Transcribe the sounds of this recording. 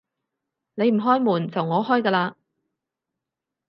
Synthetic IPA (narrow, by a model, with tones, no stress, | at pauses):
ne˨˧jm̩˨˩ɦɔː˥jmuː˨˩nt͡sɐ˨wŋɔː˨˧ɦɔː˥jkaː˧laː˧